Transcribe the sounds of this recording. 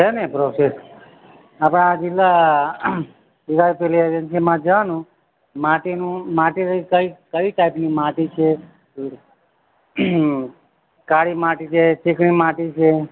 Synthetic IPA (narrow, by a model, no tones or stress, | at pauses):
t͡ʃenepɾoses | apɽ̃aːd͡ʒɪlːa | ʋiɡaɾpelied͡ʒənsimãd͡ʒəʋanũ | maʈinũmaʈiɾəikəikəiʈaipnimaʈit͡ʃʰe | kaɽimaʈit͡ʃʰet͡ʃikɳ̃imaʈit͡ʃʰe